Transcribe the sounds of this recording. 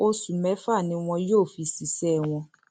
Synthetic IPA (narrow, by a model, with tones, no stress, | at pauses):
o˧sũ˨mɛ̃˨˦fa˦˨nĩ˨˧w̃ɔ̃˧joː˦˨fi˧si˨sɛ˦˨w̃ɔ̃˧